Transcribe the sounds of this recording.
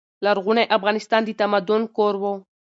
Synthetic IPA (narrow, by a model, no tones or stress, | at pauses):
laɾɣuneʔafɣanist̪and̪it̪amad̪unkoɾbo